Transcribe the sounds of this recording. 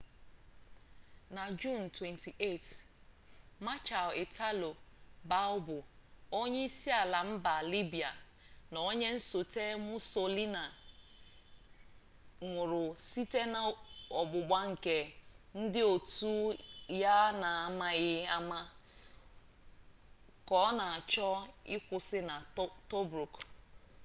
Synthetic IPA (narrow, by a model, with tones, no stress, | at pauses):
na˨d͡ʒu˦˨n̩˨twe˨nti˨ʔe˦˨t | ma˦t͡ʃa˨lɪ˨tʰa˦lo˨ba˦ʊ˦bʊ˨o˦ɲe˦i˦si˦a˨la˨m̩˦ba˨li˦bi˨a˨ | nɔ˨˦ɲe˦n̩˦so˨te˦mu˦so˦li˦na˨ | ŋʷʊ˨ɾʊ˨si˦te˦na˨ɔ˨bʊ˨ɡ͡ba˦ŋ̩˨ke˨n̩˦dɪ˦o˨tu˦ja˦na˨a˨ma˦ɣɪ˦a˦ma˦ | kɔ˦na˨a˨t͡ʃɔ˦ɪ˦kʷʊ˨sɪ˦na˨to˦bɾu˨k